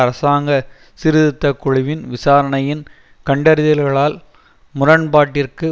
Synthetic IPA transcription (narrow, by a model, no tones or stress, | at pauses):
ɐɾɐsaːŋɡɐ | sɪɾɪðɪt̪ːɐkːʊɻɪʋɪnʋɪsaːɾɐɳɐjɪn | kɐɳɖɐɾɪðɪlɣɐɭaːl | mʊrɐnbaːʈːɪrkɯ